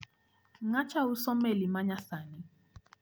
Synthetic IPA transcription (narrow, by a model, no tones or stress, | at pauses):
ŋat͡ʃausɔmɛlimaɲasani